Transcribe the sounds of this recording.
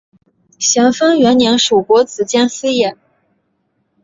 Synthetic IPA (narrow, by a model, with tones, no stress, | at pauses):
ɕjɑ˧˥ŋfə˥ŋɥɛ˧˥nnjɛ˧˥nʂu˨˩kwɔ˧˥t͡sɹ̩˨˩t͡ɕjɛ˥nsɹ̩˥jɛ˨˩˦n